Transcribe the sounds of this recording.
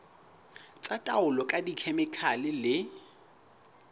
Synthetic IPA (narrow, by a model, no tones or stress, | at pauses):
t͡sʼatʼaʊlɔkʼadikʰɛmɪkʰalɪlɪ